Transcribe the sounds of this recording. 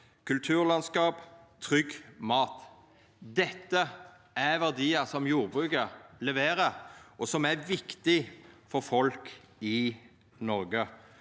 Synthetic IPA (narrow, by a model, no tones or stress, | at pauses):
kʰʉlt̪ʰʉːʁlɑnskɑːpt̪ʰɾʏɡmɑːt̪ | d̪ɛt̪ːə | æɾʋæʁd̪iːəsɔmjuːɾbʁʉːkəlɛʋeːɾəɾʔɔsɔmæɾʋɪkt̪ɪfɔɾfɔlk | ɪ | nɔɾɡə